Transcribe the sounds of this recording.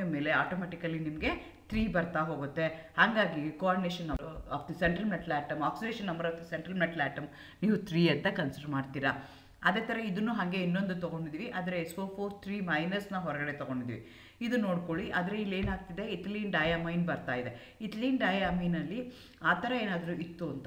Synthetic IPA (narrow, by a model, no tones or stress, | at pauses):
ɐme̞ːle̞aːʈoːmɛːʈikɐlːinimɐɡe̞ | t̪ʰɾiːbɐɾt̪aɦo̞ːɡut̪ːe̞haːŋɡaːɡikoaːɾɖineːʃɐnːɐaːpʰd̪iseɳʈɾɐlmeʈɐlaːʈɐmaːksiɖeːʃɐnːɐmbɐɾaːpd̪iseɳʈɾɐlmɛʈɐlaːʈɐm | niːʋut̪ʰɾiːɐnt̪ɐkɐnsiɖɐɾmaːɖt̪iːɾa | ɐd̪eːt̪ʰɐɾɐid̪unːuːɦɐŋɡe̞inːond̪ut̪ɔɡo̞ɳɖid̪iːʋiʔaːd̪ɐɾeːsfoːpʰoːɾt̪ʰɾiːmɐjnɐsnɐɦɔɾɐɡɐɽe̞t̪ɔɡo̞ɳɖid̪ḭʋḭ | id̪uno̞ːɽko̞ɭiʔaːd̪ɐɾeilːe̞ːnaːɡ̚t̪id̪e̞it̪liːnɖɐːjamɐjnbɐɾt̪aːjid̪e̞ | it̪ɐliːnɖɐːjaminɐlːi | aːt̪ʰɐɾɐeːnaːd̪ɐɾuʔit̪ːuɐnt̪ɐ